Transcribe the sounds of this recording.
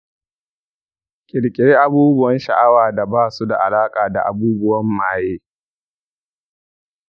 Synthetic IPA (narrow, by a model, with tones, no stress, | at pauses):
kʲʼɪ˨ɽkʲʼɪ˨ɽe˦ʔa˨buː˦bʊ˦wɐ˦nʃa̰˨ʔa˦waː˨da˨baː˦˨su˦da̰˨ʔa˨laː˦kʼaː˨da̰˨ʔa˨buː˦bʊ˦wɐ˦mːaː˨jeː˦